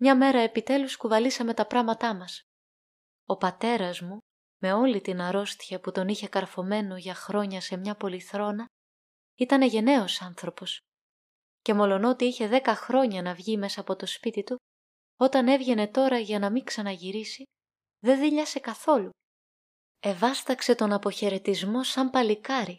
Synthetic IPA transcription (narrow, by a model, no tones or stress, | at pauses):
mɲɐme̞ɾɐe̞pit̪e̞luskuvɐlisɐme̞t̪ɐpɾɐmɐt̪ɐmɐs | o̞pɐt̪e̞ɾɐzmu | me̞o̞lit̪inɐɾo̞st̪çɐput̪o̞niçe̞kɐɾfo̞me̞no̞ʝɐxɾo̞ɲɐse̞mɲɐpo̞liθɾo̞nɐ | it̪ɐne̞ʝe̞ne̞o̞sɐnθɾo̞po̞s | ce̞mo̞lo̞no̞t̪iiçe̞ðe̞kɐxɾo̞ɲɐnɐvʝime̞sɐːpo̞t̪o̞spit̪it̪u | o̞t̪ɐne̞vʝe̞ne̞t̪o̞ɾɐʝɐnɐmiŋksɐnɐʝiɾisi | ðe̞ðiʎɐse̞kɐθo̞lu | e̞vɐst̪ɐkse̞t̪o̞nɐpo̞çe̞ɾe̞t̪izmo̞sɐmpɐlikɐɾi